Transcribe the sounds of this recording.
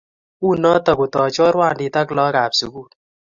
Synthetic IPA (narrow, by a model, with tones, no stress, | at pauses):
u˦˨nɔ˦ta˨ku˨tɔ˨t͡ʃɔ˦ɾwaː˦˨ndi˨ta˦klɔ˦ka˨psu˨ku˦